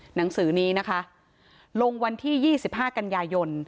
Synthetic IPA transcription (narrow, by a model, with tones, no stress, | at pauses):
na˩˦ŋsɯː˩˦niː˦˥na˦˥kʰa˦˥ʔ | lo˧ŋwa˧nt̪ʰiː˥˩jiː˥˩si˨˩p̚ɦaː˥˩ka˧njaː˧jo˧n